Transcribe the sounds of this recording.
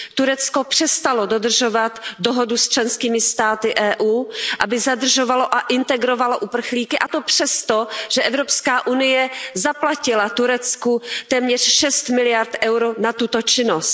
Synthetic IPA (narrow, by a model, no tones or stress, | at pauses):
t̪uɾɛt͡sko̞pr̥ɛst̪alodo̞d̪r̩ʒovat̪doɦodust͡ʃlɛnskiːmɪst̪aːt̪ɪʔɛːʔuːʔabɪzad̪r̩ʒovaloʔaʔɪnt̪ɛɡɾovalaʔupr̩xliːkɪʔat̪o̞pr̝̥ɛst̪oʒ̥ɛʔɛvɾopskaːʔunɪjɛzaplacɪlat̪uɾɛt͡skut̪ɛːmɲɛr̝̥ʃɛst̪mɪlɪjaɾt̪ʔɛwɾonat̪ut̪ot͡ʃɪnost̪